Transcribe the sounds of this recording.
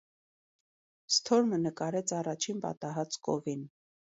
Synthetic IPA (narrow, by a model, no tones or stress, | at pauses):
st̪ʰɔɾmənəkɑɾɛt͡sʰɑrɑt͡ʃʰinpɑ̰t̪ɑɦɑt͡skɔ̰vin